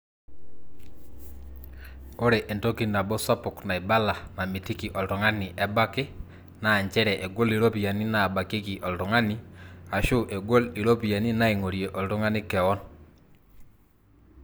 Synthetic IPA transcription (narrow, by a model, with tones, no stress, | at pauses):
o˦ɾe˨ʔe˨nto˦ki˨na˨bɔ˦sa˦pʊ˨kna˨i˨ba˦la˨na˨mi˨ti˦ki˨ʔɔ˨ltɔ˨ŋa˦ni˨ʔɛ˨ba˦ke˦ | naː˨ɲt͡ʃɛ˦ɾɛ˨ʔɛ˨ɡo˦li˨ɾo˦pi˨a˨ni˦na˨ba˨ke˦ki˨ʔɔ˨ltɔ˨ŋa˦ni˦a˨ʃu˦ʔe˨ɡo˦li˨ɾo˦pi˨ja˨ni˦na˦i˨ŋo˨ɾje˨ʔɔ˨ltu˦ŋa˦nɪ˦kɛ˨ɔ˦n